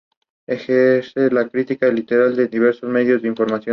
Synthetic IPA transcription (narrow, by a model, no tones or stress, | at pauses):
exeɾse̞lakɾit̪ikalit̪e̞ɾald̪eðiβ̞e̞ɾso̞zme̞ðjo̞zdeiɱfo̞ɾmasjo